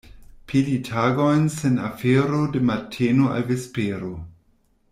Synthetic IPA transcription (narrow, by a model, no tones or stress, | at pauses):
pʰilitʰaɡojnsenafeɾodematʰenoa̰lvespeɾo